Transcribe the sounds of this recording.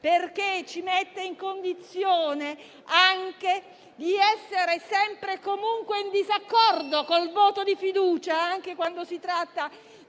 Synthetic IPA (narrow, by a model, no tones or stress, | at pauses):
perket͡ʃimet̪ːeiŋkond̪it̪sːjoːne | aŋk̟e | d̪iɛsːeɾesɛmpɾekomuŋkweind̪izakːɔrd̪okolvoːt̪od̪ifid̪uːt͡ʃaaŋk̟ekwand̪osit̪ɾat̪ːa